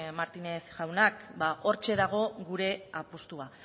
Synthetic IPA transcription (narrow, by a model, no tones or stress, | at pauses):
maɾt̪ine̞sʝawnakbao̞ɾt͡ʃe̞ðaɣ̞o̞ɣuɾe̞apost̪ua